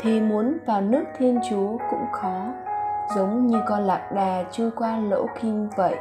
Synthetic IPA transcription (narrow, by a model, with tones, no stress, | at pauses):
t̪ʰi˨˩mu˨˦ənvaː˨˩wnɨ˦˥ək̚t̪ʰi˧ənt͡ɕu˨˦əkʊ̰˧˥ŋ͡mxɔ˨˦zə˨˦wŋ͡mɲɨ˧kɔ˧nla̰ː˧˨k̚ɗaː˨˩t͡ɕɨ˧əkwaː˧lo̰˧˥ki˧mvə̰˧˨jʔ